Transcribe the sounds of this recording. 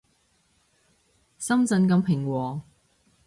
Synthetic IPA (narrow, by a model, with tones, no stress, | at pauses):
sɐ˥mt͡sɐ˧nkɐ˨˧mpʰɪ˨˩ŋwɔː˨